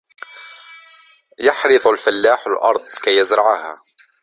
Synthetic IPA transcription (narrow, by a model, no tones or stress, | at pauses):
jɑħɾɨðˤalfalːaːħalʔɑ̰ɾˤd̪ˤkajːazɾˤɑʕaha